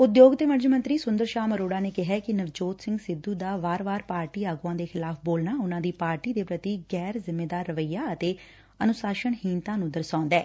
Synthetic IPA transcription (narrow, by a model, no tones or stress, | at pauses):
ʊd̪joːɡd̪eːməɾd͡ʒəmə̃nt̪ɾiːsʊ̃nd̪əɾʃaːməɾoːɽaːneːkɪɦɛːkɪnəʋd͡ʒoːt̪sɪ̃ŋɡsɪd̪ːuːd̪aːʋaːɾʋaːɾpaːɾʈiːaːɡuãːd̪eːxʰɪlaːpʰboːlnaːʊnãːd̪iːpaːɾʈiːd̪eːpɾət̪iːɡɛːɾzɪmːeːd̪aːɾːəʋəijːaːət̪eː | ənʊsaːʃəɳɦiːnt̪ãːnũːd̪əɾsãːnd̪ɛː